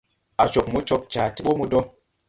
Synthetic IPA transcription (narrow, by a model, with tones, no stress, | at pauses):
a˨t͡ʃo˨k̚mo˦t͡ʃo˨k̚t͡ʃaː˨ti˦ɓo˦mu˦dɔ˦